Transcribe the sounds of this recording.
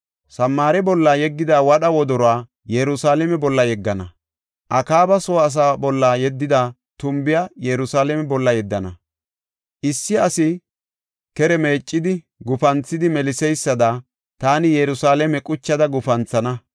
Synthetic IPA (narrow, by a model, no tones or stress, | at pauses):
sɐmːaːɾɛbɔlːaːjɛɡːɪd̪aːwɐɗɐwɔd̪ɔɾɔaː | jɛɾʊsaːlɛmɛbɔlːɐjɛɡːɐnɐ | ʔɐkaːbɐsɔːs̬aːbɔlːaːjɛd̪ːɪd̪a | t̪ʊmbɪjajɛɾʊsaːlɛmɛbɔlːɐjɛd̪ːɐnɐ̰ | ʔɪsːɪɐsɪ | kɛɾɛme̞ːt͡ʃʼːɪd̪ɪ | ɡʊfɐnt͡sːɪd̪ɪmɛlɪsɛjsːɐd̪a | t̪aːnɪjɛɾʊsaːlɛmɛkʼʊt͡ʃːɐd̪ɐɡʊfɐnt͡sːɐnɐ